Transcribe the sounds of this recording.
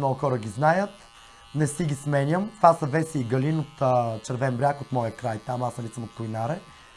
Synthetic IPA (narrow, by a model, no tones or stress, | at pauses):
nɔɡʊxɔɾəɡʲiznajət̪ | nɛsiɡʲismɛnʲjəmt̪vasɐvɛsiːɡɐlinot̪ːt͡ʃɛɾvɛmbɾʲjakot̪mɔjəkɾajt̪amasɐlit̪səmot̪̚kojnaɾɛ